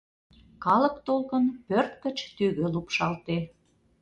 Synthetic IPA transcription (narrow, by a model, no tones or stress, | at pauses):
kɑləkt̪olkənpørt̪kə̆t͡ɕt̪yɣø̆lupʃɑlt̪e